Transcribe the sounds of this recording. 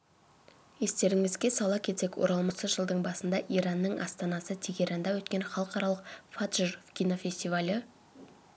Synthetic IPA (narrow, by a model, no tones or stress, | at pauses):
e̞st̪e̞ɾɪŋɪzɡʲe̞sɑlˠɑkʲʰe̞t̪se̞kwo̰ɾɑlˠməsəʒəlˠd̪əɴbɑsənd̪ɑʔijɾɑnːəɴʔɑ̰st̪ɑnɑsət̪ʰe̞ɡʲeɾɑnd̪ɑwɵt̪̚kʲe̞nχɑlˠəqɑɾɑlˠəqfat̪ʒərfkʲʰijno̞fʲe̞st̪ivalʲɪ